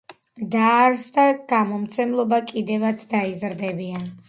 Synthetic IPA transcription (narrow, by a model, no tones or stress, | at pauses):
d̪aɾsd̪aɡ̥amɔmt̪sʰɛmlˠɔbakʼid̪ɛvat̪sʰd̪aizɾd̪ɛbian